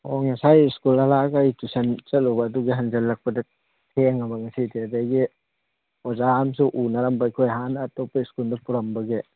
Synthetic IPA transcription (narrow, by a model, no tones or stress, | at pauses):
oŋɐsajiskulɐlaɡajtusɐnt͡ʃɐlɔbɐːduɡiɦɐnd͡ʒɐlːɐk̚pɐdɐ | tʰeŋɐbɐŋɐsideɐdajɡi | ɔzaːmsuʔunɐɾɐmbɐjkʰojɦanɐːtɔpːɐiskuldɐpuɾɐmbɐɡe